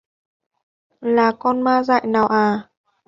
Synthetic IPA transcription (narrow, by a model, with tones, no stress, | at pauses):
laː˨˩kɔ˧nmaː˧za̰ː˧˨jnaː˨˩wʔaː˨˩